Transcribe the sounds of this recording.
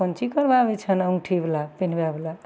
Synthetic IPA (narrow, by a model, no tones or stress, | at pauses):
ənt͡ʃikəɾbabɛt͡ʃʰənəŋɡʈʰiblapin̤babla